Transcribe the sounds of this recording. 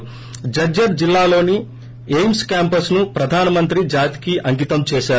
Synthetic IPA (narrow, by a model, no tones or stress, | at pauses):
d͡ʒɐd͡ʒɐɾd͡ʒilːaːlo̞ːni | ejmskaːmpɐsnupɾɐd̪ʱaːnɐmɐnt̪ɾid͡ʒaːt̪i̥kiʔɐŋɡit̪ɐmt͡ʃɛːʃaː